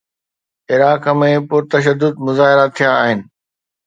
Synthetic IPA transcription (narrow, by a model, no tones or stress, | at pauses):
ɪɾaːkəmẽpʊɾt̪ɐʃ̬əd̪ːʊd̪̚mʊzaːɦɪɾat̪ʰijaːɦɪnɪ̆